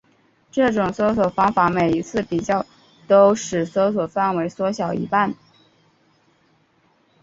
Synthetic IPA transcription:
ʈ͡ʂɤ˥˩ʈ͡ʂʊ˨˩ŋswɔ˧˥swɔ˨˩fɑ˧˥ŋfa˧˥me˨˩ɪi˧˥t͡sʰɹ̩˥˩pi˨˩t͡ɕjɑ˥˩ʊ | t̪o˥ʊʂɻ̩˨˩swɔ˧˥swɔ˨˩fa˥˩nwe˧˥ɪswɔ˧˥ɕjɑ˨˩ʊʔḭ˧˥pa˥˩n

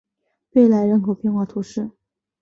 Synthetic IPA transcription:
we˥˩ɪla˧˥ɪɻə˧˥nkʰo˨˩ʊpjɛ˥˧nxwa˥˩t̪ʰu˧˥ʂɻ̩˥˩

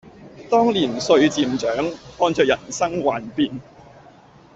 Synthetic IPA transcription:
t̪ɔː˥ŋliː˨˩nsɵ˧ɥt͡siː˧mt͡ʃœː˨˥ŋhɔː˧nt͡ʃœː˧kjɐ˨˩nsɐ˥ŋwaː˨npiː˨n

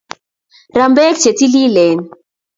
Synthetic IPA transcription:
ɾa˨mbɛ˦k̚t͡ʃe˨ti˦li˦lɛ˨n

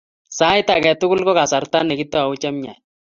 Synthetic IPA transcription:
sa˦ɪ˦ta˨kɛ˨tʊ˦kʊ˦lkɔ˦ka˨sa˨ɾta˦nːɛ˨kɪ˦tːɔ˦a˨ʊ˦t͡ʃɛ˦mɲa̰˨j

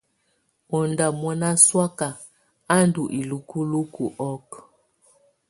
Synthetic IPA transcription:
ɔ˨nda˨mwɔ˦na˦swa˦ka˨ | a˦ndu˨ʔi˨lu˨ku˦lu˦ku˨ʔɔ˦k

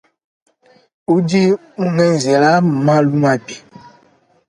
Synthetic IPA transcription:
u˦d͡ʒi˦ | u˦nɛ˦n˨ze˨la˦m˨mã˦lu˦ma˨bi˨

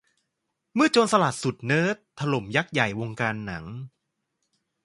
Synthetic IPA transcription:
mɯ˥˩ɐt͡ɕoː˧nsa˧laː˨˩t̪̚su˨˩t̪̚nɤː˦˥˩t̪ʰːa˧lo˩˦mja˦˥k̚ja˨˩jwo˧ŋkaː˧nːa˩˦ŋ

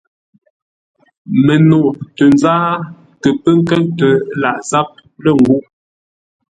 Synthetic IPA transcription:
mə˨no˨ʔtə˨nzaː˦ | kə˨pə˦ŋ˦kə˦ŋtə˨la˨ʔza˦p̚ | lə˦˨ŋ̩˨ɡu˦ʔ

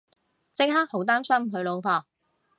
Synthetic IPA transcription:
t͡sɪ˥k̚haː˥k̚ho˨˥wt̪aː˥msɐ˥mɦɵ˨˧ɥlo˨˧wfaː˨˧

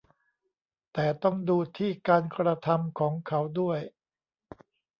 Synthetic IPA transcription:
t̪ɛː˨˩t̪ɔ˥˩ŋduː˧t̪ʰiː˥˩kaː˧nkɾa˧t̪ʰa˧mkʰɔː˩˦ŋkʰa˩˦wdu˥˩əj

